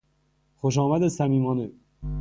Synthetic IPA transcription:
xoʃ̬ɒːmæd̪esæmiːmɒːne

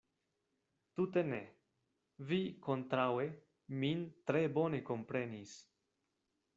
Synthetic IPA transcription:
t̪ut̪e̞nḛ | viko̞nt̪ɾawe | mint̪ɾe̞bo̞ne̞ko̞mpɾe̞nis

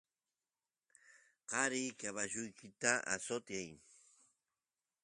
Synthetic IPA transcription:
qɑɾɪjkaβaʒʊjkʰɪt̪aʔa̰sot̪jaj

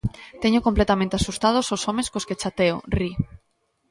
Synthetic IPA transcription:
t̪eɲokomplet̪amẽnt̪easust̪að̞ososomẽskosket͡ʃat̪eo̰ri

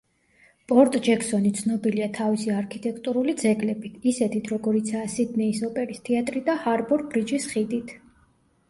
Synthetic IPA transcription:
pʼɔɾt̪ʼd͡ʒɛkʰsɔnit̪sʰnɔbiliat̪ʰavisiaɾkʰit̪ʼɛkʰt̪ʼuɾulid̪zɛɡlɛbit̪ʰisɛt̪ʰit̪ʰɾɔɡɔɾit̪sʰaːsid̪nɛisɔpʼɛɾist̪ʰiat̪ʼɾid̪ahaɾbɔɾbɾid͡ʒisχid̪it̪ʰ

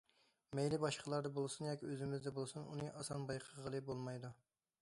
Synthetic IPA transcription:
mɛjlɪbɑʃqʰəlˠɑɾd̪ɑbolˠsunjɑkʲiøzɪmɪzd̪ɛbolˠsunṵnɨʔɑsɑnbɑjqʰəʁəlˠɨbolˠmɑjd̪u

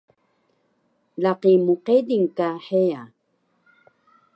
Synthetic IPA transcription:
laqimuqediŋkaħea

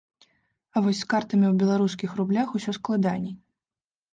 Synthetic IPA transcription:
ɐvɔsʲskart̪ɐmʲiwbʲɛlˠaɾuskʲixrublʲaxusʲɔsklˠad̪anʲi

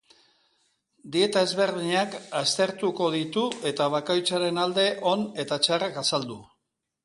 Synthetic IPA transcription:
d̪ie̞t̪ae̞zβe̞ɾðiɲakast̪e̞ɾt̪uko̞ðit̪ue̞t̪aβ̞akojt͡saɾe̞nald̪e̞ʔo̞ne̞t̪at͡ʃarakasald̪u

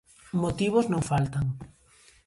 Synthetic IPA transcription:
mot̪iβ̞oznõŋfalt̪aŋ

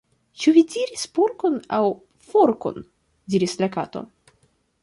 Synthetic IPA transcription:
t͡ʃuvidiɾispoɾkonaw | foɾko̰n | diɾislakato̞̰

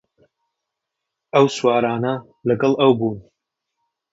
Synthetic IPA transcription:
ɐwswaːɾaːnɐ | lɐɡɐlˠʔɐwbuːn

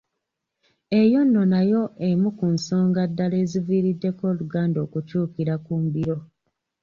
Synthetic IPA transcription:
e̞jo̞nːo̞najo̞emukunso̞ːŋɡadːale̞ːziviːɾidːe̞ko̞ːluɡaːndoːkucuːkiɾakuːmbiɾo̞

